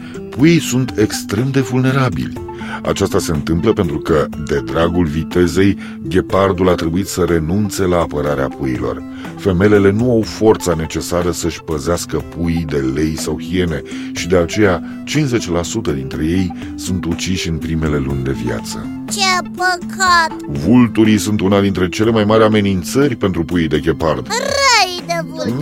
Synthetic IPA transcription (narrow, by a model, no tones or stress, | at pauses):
pujijsunt̪ʰe̞kst̪ɾe̞md̪e̞vulne̞ɾabḭlʲ | a̰t͡ʃast̪ase̞ɨnt̪ɨmpləpent̪ɾukəd̪e̞d̪ɾaɡulvit̪e̞ze̞j | ɡʲe̞pard̪ulat̪ɾe̞buit̪səɾe̞nunt̪se̞laːpəɾaɾeapʰujilo̞̰r | fe̞me̞le̞le̞nuawfo̞rt̪sane̞t͡ʃe̞saɾəsəʃʲpəzeaskəpujd̪e̞le̞jsawxie̞ne̞ | ʃid̪e̞at͡ʃe̞ja | t͡ʃinze̞t͡ʃʲlasut̪əd̪int̪ɾe̞je̞j | sunt̪ut͡ʃiʃʲɨnpɾime̞le̞lunʲd̪e̞via̰t̪sə̰ | t͡ʃepəkʰat̪vult̪uɾisunt̪unad̪int̪ɾe̞t͡ʃe̞le̞majmaɾʲame̞nint̪sərʲpe̞nt̪ɾupujid̪e̞ɡʲe̞pard̪rəjd̪evul